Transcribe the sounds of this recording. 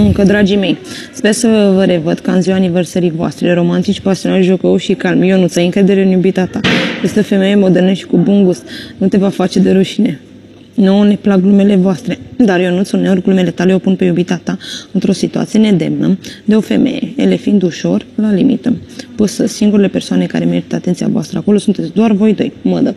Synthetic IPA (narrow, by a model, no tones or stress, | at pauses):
ɨŋkəd̪ɾad͡ʒime̞j | spersəvəɾe̞vəd̪kaɨnziwaniversəɾivoa̰st̪ɾeɾo̞mant̪it͡ʃʲpasio̞nalʒo̞kəuʃikalmjo̞nut̪sajɨŋkɾe̞d̪e̞ɾeɨnjubit̪at̪ajest̪eo̞fe̞meje̞mo̞d̪erneʃt̪ʲi̥kubuŋɡust̪nut̪e̞vafat͡ʃe̞d̪e̞ɾuʃine̞ | none̞plaɡlumele̞voast̪ɾe̞d̪arjo̞nut̪soneorɡlumele̞t̪aleo̞punpe̞jubit̪at̪aɨnt̪ɾo̞sit̪ua̰t̪sije̞ne̞d̪e̞̰mnəd̪e̞o̞fe̞me̞̰jḛele̞find̪uʃo̞rlalimḭt̪əpusəsiŋɡuɾele̞pe̞rsoane̞ka̰ɾe̞me̞ɾit̪əat̪e̞nt̪sija̰voa̰st̪ɾə̰ako̞lo̞sunt̪esʲd̪oarvo̞jd̪o̞̰jmə̰d̪ə